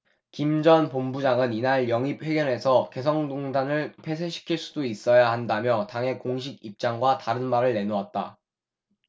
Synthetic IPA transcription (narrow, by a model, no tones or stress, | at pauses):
kimd͡ʑʌnpombud͡ʑaŋɯninaɭjʌŋip̚ɸwe̞ɡjʌne̞sʰʌke̞s̬ʰʌŋdoŋdanɯɭpʰe̞s̬ʰeɕʰi̥kʰiɭs͈u̥dois͈ʌjahandamjʌtaŋɦe̞koŋɕʰiɡip̚t͡ɕ͈aŋɡwataɾɯnmaɾɯɭːe̞noat̚t͈a̰